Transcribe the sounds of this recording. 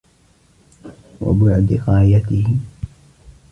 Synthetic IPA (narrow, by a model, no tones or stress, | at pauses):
wa̰bʊʕd̪ɣɑːjat̪ɪhɪ